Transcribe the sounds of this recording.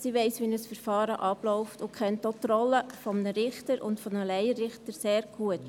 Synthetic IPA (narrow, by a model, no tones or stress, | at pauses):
siʋɛɪsʋinəsfəɾfɑːɾəʔɑblɔʊftʊkχɛntot̪rɔlːəfɔmənəɾɪχtəɾʔʊ̰ntfɔnəlɛɪərɪχtəɾseːɾɡ̥uət